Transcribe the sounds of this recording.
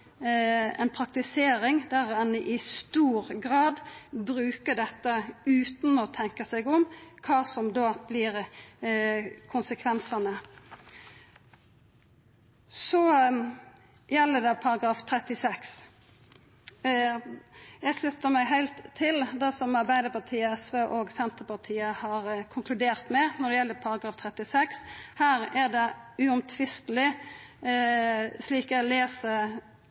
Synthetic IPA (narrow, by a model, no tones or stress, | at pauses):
ɛ̰npʰɾɑk̚t̪ɪseːɾɪŋd̪æɾɛnʔɪst̪uːɾɡɾɑːd̪bɾʉːkəɖ̪ɛt̪ːəʉːt̪n̩ɔt̪ʰɛŋkəsɛɡʊmkʰɑːsɔmd̪oːb̥lɪɾ | kʰʊnsəkʰʋɛnsɑnə | sɔ | jɛlːəd̪ɛpʰɑɾɑɡɾɑːft̪ʰɾɛt̪ɪsɛks | jæɪslʉt̪ːəɾmæɡɦæɪlt̪ʰːɪld̪ɛsɔmɑɾbæɪd̪əɾpɑt̪ʰiːəɛsʋeːʔoːɡsɛnt̪əpɑt̪ʰiːəhɑɾkʰʊŋkʰlʉd̪eːʁt̪mɛnɔd̪ɛjɛlːəɾpʰɑɾɑɡɾɑːft̪ʰɾɛt̪ɪsɛkshæːɾæɾd̪ɛʉɔmt̪ʰʋɪst̪əl̩ɪ | sliːkæleːsə